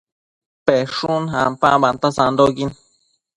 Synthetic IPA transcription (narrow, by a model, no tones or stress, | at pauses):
peʂuna̰mpabant̪asand̪okin